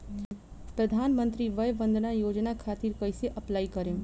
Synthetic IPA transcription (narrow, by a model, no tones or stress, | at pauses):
pɾəd̪ʱaːnmə̃nt̪ɾiʋɐjbə̃nd̪ʱnajoːd͡ʒnakʰaːt̪iɾkɐjseʔɐplaːikəɾẽ